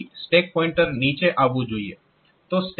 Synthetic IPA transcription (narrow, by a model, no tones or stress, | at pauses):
sʈeːk̚pɔːɪ̃ɳʈəɾniːt͡ʃeʔaːbud͡ʒuːiḛ | t̪oːsʈ